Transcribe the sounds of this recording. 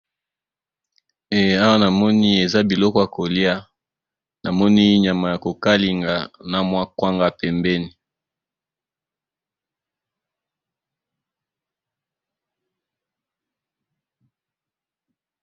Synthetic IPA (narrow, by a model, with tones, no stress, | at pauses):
e˨a˦wa˦na˨mɔ˦ni˦e˨za˦bi˨lɔ˦kɔ˦ja˨ko˨li˦a˦ | na˨mɔ˦ni˦ɲa˨ma˨ja˨ko˨ka˦li˨ŋɡa˨na˦mwa˦kwa˦ŋɡa˦pɛ˨mbɛ˦ni˨